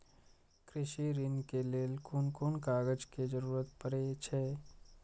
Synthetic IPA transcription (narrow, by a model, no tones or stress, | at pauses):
kɾɪʃiɾɪnkeleːlkʊnkʊnkaːɡəd͡ʒked͡ʒəɾuːɾət̪pəɾet͡ʃʰɛː